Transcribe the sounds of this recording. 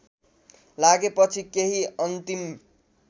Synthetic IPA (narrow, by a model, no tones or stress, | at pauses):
laɡepʌt͡sʰikeɦiʌnt̪im